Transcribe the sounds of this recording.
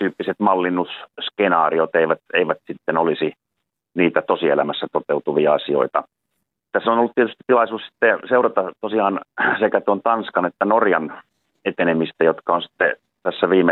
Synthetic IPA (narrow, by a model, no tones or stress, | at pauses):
t̪yːpːiset̪mɑlːinːusskenɑːriot̪eiʋæt̪eiʋæt̪sit̪ːenolisi | niːt̪æt̪osiḛlæmæsːæt̪ot̪eut̪uʋiɑɑsio̰it̪ɑ | et̪ːæseonolːut̪t̪iet̪yst̪i̥tt̪ilɑisuːssi̥t̪ːeseurɑt̪ɑt̪osiɑːnsekæt̪uont̪ɑnskɑnet̪ːænorjɑn | et̪enemist̪æjot̪kɑonsi̥t̪ːe | t̪æsːæʋiːme